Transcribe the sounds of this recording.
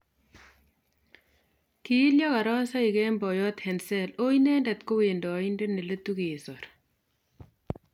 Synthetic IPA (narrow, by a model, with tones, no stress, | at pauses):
ki˨˦ljɔ˦ka˨ɾɔ˦sa˦ɪ˨kɛ˦mbɔ˨jɔ˦t̪hɛ˨nsɛ˦lo˦inɛ˦ndɛ˨t̪ko˦we˨ndo˨ɪ˦nde˦ne˨le˦t̪u˦ki˨sɔ˨ɾ